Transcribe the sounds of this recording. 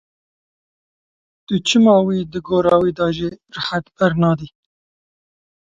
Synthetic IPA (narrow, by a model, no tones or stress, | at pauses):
t̪ʊt͡ʃʰɨmɑːwiːd̪ɨɡoːɾɑːwiːd̪ɑːʒirɨħat̪bɪɾnɑːd̪iː